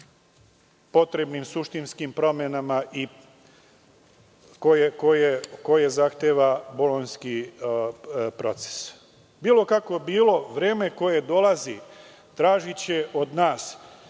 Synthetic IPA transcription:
po̞t̪ɾe̞bnimsuʃt̪inskimpɾo̞mjenamaʔi | kojekojeko̞je̞zaxt̪eːʋaboloɲski | pɾo̞t̪se̥s | biːlo̞kakʋo̞biːlo̞ʋɾeːme̞ko̞je̞d̪o̞lazi | t̪ɾaːʒit͡ɕe̞ʔod̪naːs

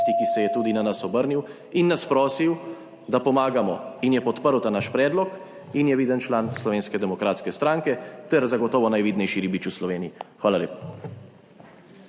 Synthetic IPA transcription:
t̪ikisɛjɛt̪uːd̪inanasɔbəɾniw | inːaspɾɔːsiw | d̪apɔmaːɡamɔinjɛpɔt̪pəɾwt̪anaʃpɾɛːd̪lɔk | injɛʋiːd̪ənt͡ʃlaːnslɔʋeːnskɛd̪ɛmɔkɾaːt̪skɛst̪ɾaŋkɛt̪ɛɾzaɡɔt̪ɔːʋɔnajʋiːd̪nɛjʃiɾiːbit͡ʃuslɔʋeːniixʋaːlalḛːpḁ

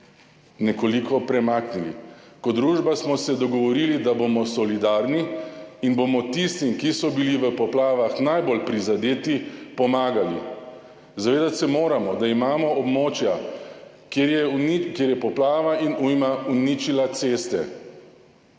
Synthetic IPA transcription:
nɛkolikɔpɾɛmaːknilḭ | kɔd̪ɾuːʒbasmɔsɛd̪ɔɡɔʋɔɾilid̪abomɔsɔlid̪aːɾniːnbomɔt̪ist̪imkisɔbiliʋəpɔplaːʋaxnajbolpɾizad̪eːt̪ipɔmaːɡalḭ | zaʋeːd̪at̪sɛmoːɾamɔd̪aimaːmɔɔbmoːt͡ʃja | kejɛnkjeːɾjɛpɔplaːʋainumaunit͡ʃilat̪seːst̪ɛ̰

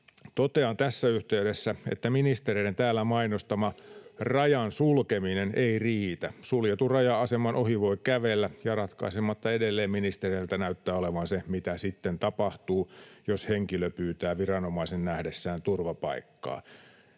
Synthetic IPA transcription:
t̪ot̪eɑnt̪æsːæyht̪eydesːæḛt̪ːæminist̪ereient̪æːlːæmɑinost̪ɑmɑrɑjɑnsulkemineneiriːt̪æsuljet̪urɑjɑɑsemɑnʔohiʋoikæʋelːæjɑrɑt̪kɑ̰isemɑt̪ːɑedelːeːmminist̪ereilt̪ænæyt̪ːæːoleʋɑnsemit̪æsit̪ːent̪ɑpɑht̪uːjosheŋkiløpyːt̪æːʋirɑnomɑisennæhdesːæːnt̪urʋɑpɑ̰ikːɑ̰ː

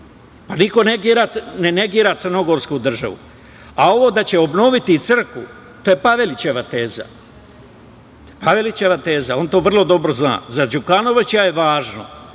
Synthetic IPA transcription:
paniko̞neɡiːɾanene̞ɡiːɾat̪sɨr̩no̞ɡo̞ɾskud̪r̩ʒa̰ʋṵ | ao̞ʋo̞ːd̪at͡ɕe̞o̞bno̞ʋit̪it̪sɨr̩kʋṵ | t̪oje̞paʋe̞lit͡ɕe̞ʋat̪e̞ːza̰ | paʋe̞lit͡ɕe̞ʋat̪e̞ːzao̞nt̪o̞ːʋr̩lˠo̞d̪o̞bɾo̞zna̰ːzad͡ʒukano̞ʋat͡ɕajeʋaːʒno̰

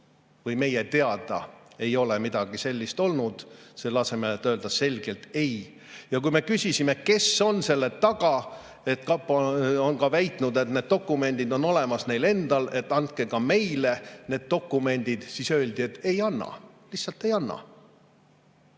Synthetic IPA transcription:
vɯjme̞jet̪e̞ɑd̪̥ɑ̰e̞jo̞lemid̪̥ɑɡ̥ise̞lʲːist̪o̞lnud̪̥selɑse̞meet̪ːøld̪̥ɑse̞lʲɡ̥e̞lt̪e̞j | jɑkujme̞kysʲisimeke̞so̞nse̞lːe̞t̪ːɑɡ̥ɑ | e̞t̪kɑponkɑvæjt̪ˑnud̪et̪ne̞ːd̪̥̚t̪o̞kːˑume̞nʲd̪̥id̪o̞nːo̞lemɑsne̞jle̞nd̪̥ɑle̞t̪ːɑnt̪̚ke̞ɡɑme̞jle̞ne̞ːd̪̥̚t̪o̞kːˑume̞nʲd̪̥id̪̥sisø̞ːld̪iet̪ːe̞jɑnːɑ̰ | lihtsɑlt̪ːˑe̞jɑnːɑ̰

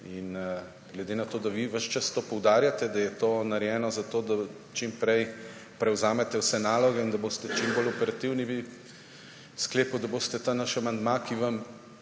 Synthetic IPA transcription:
in | ɡlɛd̪enat̪oːd̪aʋiʋəʃt͡ʃast̪opɔwd̪aːɾjat̪ɛd̪ajɛt̪oːnaɾjɛːnɔzat̪oːd̪a | t͡ʃimpɾɛj | pɾɛwzaːmɛt̪ɛwsɛnaːlɔɡɛind̪aboːst̪ɛt͡ʃimbolɔpɛɾat̪iwniʋi | skleːpud̪aboːst̪ɛt̪anaʃamand̪makiʋam

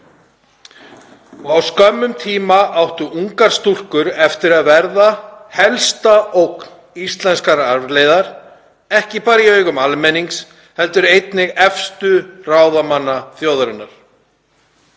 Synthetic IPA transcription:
ɔɣawskœmːʏmt̪ʰiːmaʔawht̪ʏʔuŋkaɾ̥st̪ul̥kʏɾɛft̪ɪɾaðvɛɾðahɛlst̪aʔowkn | ist̪lɛnskaɾaɾvlejðaɾ̥ | ɛhcɪpaːɾiœɥɣʏmalmɛnːiŋks | hɛl̪t̪ʏɾejt̪nɪɣɛfst̪ʏraːwðamanːaθjoːwðaɾʏnːaɾ̥

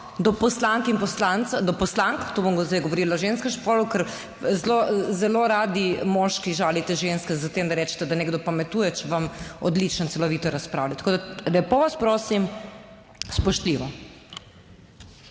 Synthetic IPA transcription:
d̪ɔpɔslaŋkinpɔslant̪sad̪ɔpɔslaŋkt̪oːbɔmɡzd̪ajɡɔʋɔɾiːlaɔʒenskɛʃpɔːɾlukəɾ | zlozɛloɾaːd̪imɔʃkiʒaːlit̪ɛʒenskɛzat̪eːmd̪aɾɛːt͡ʃɛ̥t̪ɛd̪aneːɡd̪ɔpamɛt̪ujɛt͡ʃɛʋamɔ̰d̪lit͡ʃənt̪sɛlɔʋiːt̪ɔɾaspɾaːwlʲat̪ḁkoːd̪alɛpɔʋaspɾoːsim | spɔʃt̪liʋɔ

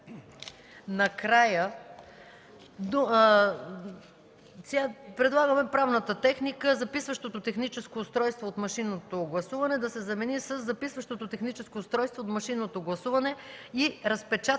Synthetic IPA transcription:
nɐkɾajə | d̪ | t̪ʲapɾɛd̪lˠaɡəmɛpɾavnət̪ət̪ɛxnikəzɐpisvəʃt̪ot̪ot̪ɛxnit͡ʃɛskoːst̪ɾɔjst̪voːt̪mɐʃinːot̪oɡlˠɐsuvɐnɛd̪ɐsɛzɐmɛnisəzːɐpisvəʃt̪ot̪ot̪ɛxnit͡ʃɛskoːst̪ɾɔjst̪voːt̪mɐʃinːot̪oɡlˠɐsuvɐnɛiɾɐspɛt͡ʃat̪

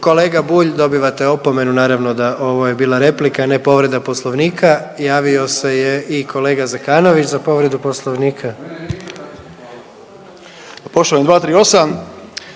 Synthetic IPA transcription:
ko̞leːɡabuːʎd̪o̞biʋat̪eopo̞me̞nunaːɾaʋno̞d̪aʔo̞ʋo̞je̞biːlˠaɾe̞plikane̞po̞ʋɾe̞d̪aposlˠoʋniːkʰajaːʋio̞se̞jeʔikʰo̞le̞ːɡazakaːno̞ʋit͡ʃzapo̞ʋɾe̞d̪upo̞slˠoʋniːkʰa | poʃt̪oand̪ʋaːt̪ɾiːo̞sam

